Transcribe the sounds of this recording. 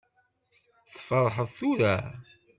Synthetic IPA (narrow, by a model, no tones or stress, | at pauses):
θəfəɾˤːħəðˤθuɾæ